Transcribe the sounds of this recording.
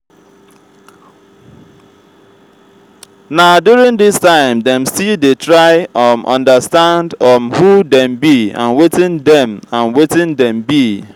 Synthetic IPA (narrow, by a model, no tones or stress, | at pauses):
nadjʊɾɪ̃ŋdɪstãɪ̃mdɛ̃msidetɹaɪɔmʔɔ̰̃ndəstãndɔmhudɛ̃mbiã̰nwɪtɪ̃ndɛ̃mãnwetɪ̃ndɛ̃mbi